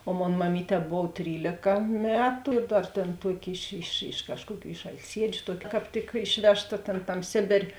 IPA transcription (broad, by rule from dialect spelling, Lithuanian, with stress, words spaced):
oː ˈmoːn mɐˈmʲiːˌtʲɛː ˈboːw ˈtʲrʲiːlʲeːkɐ ˈmʲæːtʊ ɪr ˈdɐr ˈtʲeːn ˈtuɔˌkʲɪ ɪʃ ɪʃ ɪʃ ˈkɑːʃkuɔˌkʲuː ɪʃ ɐlʲˈsʲiɛd͡ʒʲʊ ˈtuɔkʲɪ kɑːp ˈtʲɪk ˈɪʃʲʋʲɛʃˌtɐ tʲeːn ˈtɐm ˈsʲeːbʲeːrʲeː